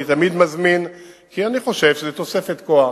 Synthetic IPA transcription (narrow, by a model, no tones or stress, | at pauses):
it̪amid̪mazminkianiχo̞ʃe̞vʃezet̪o̞se̞fe̞t̪koa